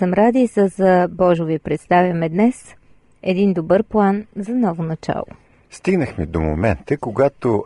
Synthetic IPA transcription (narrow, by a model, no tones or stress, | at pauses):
əmɾad̪isəzɐbɔʒʊvipɾɛt̪st̪avʲjɐmɛd̪nɛs | ɛd̪ind̪obɤɾplˠanzɐnɔvonɐt͡ʃa̰lˠo̰ | st̪iɡnəxmid̪omo̰mɛnt̪əkoɡat̪o